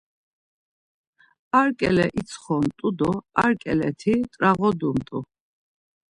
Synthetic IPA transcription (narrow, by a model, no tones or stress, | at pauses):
aɾkʼɛ̰lɛʔit̪sʰχɔmt̪ʼud̪ɔa̰ɾkʼɛlɛ̰t̪ʰit̪ʼɾaʁɔd̪umt̪ʼu